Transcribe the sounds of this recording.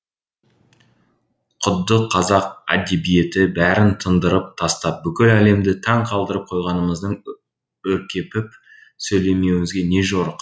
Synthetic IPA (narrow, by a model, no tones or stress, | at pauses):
qʰʊd̪ːəqʰːɑzɑqæ̰d̪e̞bije̞t̪ɪbæɾɪnt̪ʰənd̪əɾəp̚t̪ʰɑst̪ɑp̚bʏkʲɪlæle̞md̪ɪt̪ʰɑɴqʰɑlˠd̪əɾəp̚qʰo̞jʁɑnəməzd̪əɴ | wɵɾkʲe̞pɪp̚ | sɵjle̞me̞wɪŋɪzɡʲe̞ne̞ʒo̞ɾəq